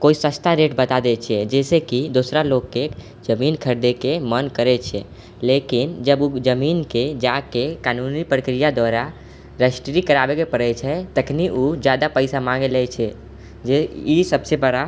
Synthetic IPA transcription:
koisət͡ʃt̪ʰaɾeʈbət̪ad̪ɛt͡ʃʰɛd͡ʒɛsekid̪osɾaloɡke | d͡ʒəmiːnkʰəɾd̪ekemənkəɾɛt͡ʃʰɛ̰ | lekind͡ʒəbud͡ʒəminked͡ʒakekaːnunipɾəkɾijad̪waɾa | ɾəsʈɾikəɾaːbekepəɽɛt͡ʃʰɛt̪əkʰniʔud͡ʒjaːd̪apəɪsamãŋɡelɛt͡ʃʰɛ | d͡ʒeisəbsebəɽa

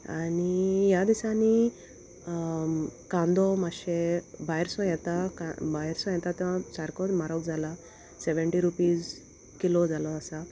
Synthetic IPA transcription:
anijad̪isani | kãnd̪ɔmaɕebajɾsɔ̃jɛt̪akabaɾsɔ̃jɛt̪at̪ɛsaɾkɔd̪maɾɔkd͡zʱala | seʋeɳʈiɾupiːz | kilod͡zʱalɔasa

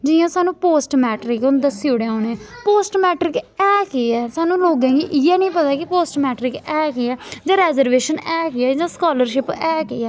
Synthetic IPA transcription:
d͡ʒɪjãːsaːnũːpoːsʈmɛːʈɾɪkʊnd̪əsiːoːɽeːaːneːɛ̃ːpoːsʈmɛːʈɾɪkɛːkeɛːsaːnũːloːɡɛ̃ːɡiːʔɪjɛːnəĩːpət̪aːkɪpoːsʈmɛːʈɾɪkɛːkeɛːd͡ʒãːɾɛːzəɾʋeːʃənɛːkɪɛːd͡ʒãːskaːləɾʃɪpɛːkeɛː

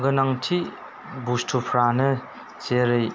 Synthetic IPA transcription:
ɡɯnaŋtʰi | bustʰupʰɾanɐ | t͡ʃeɾɯj

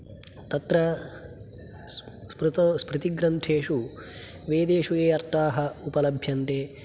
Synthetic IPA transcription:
t̪ɐt̪ɾɐ | spɾut̪ɐspɾɨt̪iɡɾɐnt̪ʰeːʂu | ʋeːd̪eːʂujeːɐɾt̪aːɦɐupɐlɐbʱjɐnt̪eː

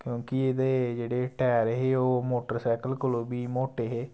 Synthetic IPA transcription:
kjõːkieːd̪eːd͡ʒeːɽeːʈɛːɾeɦeːoːmoːʈəɾsɛːkəlkoloːbiːmoːʈeɦeː

